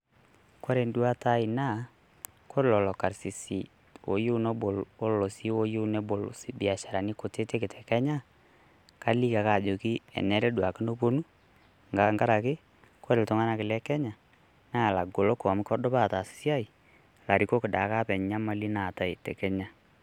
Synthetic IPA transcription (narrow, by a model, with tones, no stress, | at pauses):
kɔ˦ɾe˨ndu˦a˦ta˦ɪ˨na˦˨ | ko˦ɾlɔ˨lɔ˨ka˨ɾsi˨sḭ˨ | wo̰˨jo˦no˦bo˨lo˦llo˨si˦wo˦jo˦ne˦bo˨lsi˨bi˨a˨ʃa˨ɾa˨ni˦ko˨te˦te˦kɪ˨tʰɛ˨kɛ˦ɲa˦ | ka˦li˦ka˨ka˦˨d͡ʒo˨ki˦ɛ̰˨nɛ˦ɾɛ˦dwa˨kɪ˦no˦bo˦nu˦ | ŋɡa˨ŋɡa˦ɾa˨kɪ˦ | ko˦ɾe˨ltʊ˨ŋa˦na˦kɪ˨lɛ˦kɛ˦ɲa˨ | na˦˨la˨ɡo˨lo˦kɔ˨m˦kɔ˦dʊ˦ba˦˨ta˨si̥˨˦sja˦ɪ˨ | la˨ɾi˨˦ko˦kɪ˨ɗa˨˦ka˦pɛ˨ɲɲa˦ma˦li˦na˨ta˨i˨tɛ˨kɛ˦ɲa˦